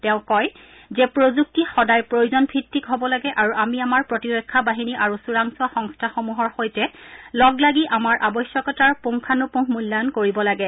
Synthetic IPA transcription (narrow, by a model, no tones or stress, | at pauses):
tɛ̃ʊ̃kɔj | zɛpɹozuk̚tixɔdajpɹojuzɔnpʰitːikɦobɔlaɡɛʔaɹuʔamiamaɹpɹotiɹɔkʰːabaɦiniʔaɹusuɹaŋsɔaxɔŋstʰaxomuɦɔɹxojtɛlɔɡlaɡiʔamaɹʔabɔjsjɔkɔtaɹpoŋkʰanupũɦmulːajɔnkoɹibɔlaɡɛ